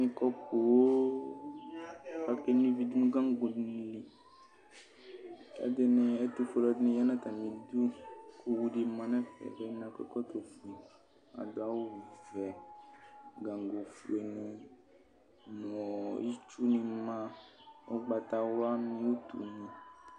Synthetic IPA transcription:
mĩ˦kɔ˦ko˨wo˦ | a˨˦ke˦nĩ˦vi˨d̪u˦mũ˦ɡã˦ŋ˦ɡo˨ni˦n˦li˨ | a̰˦d̪e˨nɛ̃˨ɛ˦t̪u˦fo˨lɔ˨dnẽ˨ja˦nã˦t̪a˨mĩ˨du˦ko˨wu˦di˨˦mã˨nɛ̃˦fɛ̰˨bɛ˦nã˨kɔ̰˦kɔ˦t̪o˨fu˨e˨ | a̰˨dʊ˨˦a˦wʊ˦˨vɛ˨ | ɡã˨ŋ˨ɡo˨fu˨e˨nĩ˨ | mɔ˨i˦t͡ʃu˦nĩ˨mã˦o˦ɡ͡ba˨ta˨wla˦mĩ˦o˦t̪ṵ˨mũ˨

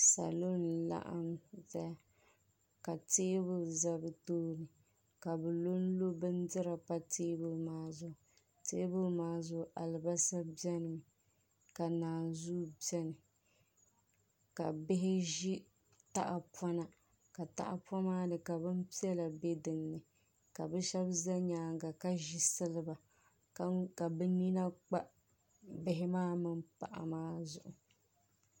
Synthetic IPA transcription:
sa̰˨lo˦nla̰˦ʔa̰˦mza˦˨ | ka˨teː˦bɨ˦˨lza˦bɨ˨toː˦nɨ˨ | ka˨bɨ˨lo˦n˦lo˦bɨ˦n˦dɪ˦ɾa˨pa˦tʰeː˦bɨ˦lmaː˦zʊ˨ʔʊ˨ | teː˦bɨ˦lmaː˦zʊ˦˨ʔa˨lba˦sa˦bi˦ɛ˦nɨ˨m˨ | ka˨naː˨nzu˦bi˦ɛ˦nɨ˨ | ka˨bɪ˦ɦɪ˦ʒi˦ | ta̰˦˨ʔa˨pɔ˦na˨ | ka˨ta̰˨ʔa̰˦pɔ˦maː˦nɨ˨ka˨bɨ˦m˦pi˦ɛ˦la˨be˦dɨ˨nːɨ˨ | ka˨bɛ˦ʃɛ˦bza˦ɲaː˨˦ŋɡa˨ka˦ʒi˦sɨ˦lɨ˦ba˨ | ka˨bɛ˦ni˦na˦k͡pa˦ | bɪ˦ɦɪ˦maː˦mɨ˦mpa̰˨ʔa̰˨maː˦zʊ̰˨ʔʊ̰˨

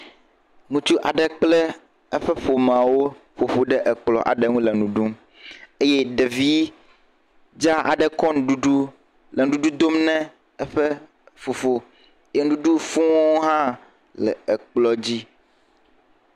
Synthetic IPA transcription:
ŋũ˨t͡ʃu˦ʔa˨ɖɛ˨k͡plɛ˦ | ɛ˦ɸɛ˦ɸo˨m˨ã˨wo˦ | ɸo˨ɸo˨ɖɛ˦ʔɛ˨k͡plɔ̰˨ʔa̰˨ɖɛ˨ŋũ˦lɛ˨nũ˨ɖu˦m | e˦jɛ˦ɖɛ˨vi˦ | d͡ʒa˦a̰˨ɖɛ˨kɔ˦nũ˨ɖu˦ɖu˦ | lɛ˨ñ˨ɖu˦ɖu˦d̪o˦mnɛ̃˦ | ɛ˦ɸɛ˦ | fo˨fo˨ | e˦n̩˨ɖu˦ɖu˦fũ˦wɔ̃˦ɦã˦ | lɛ̰˨ɛ˨k͡plɔ˨d͡ʑi˦

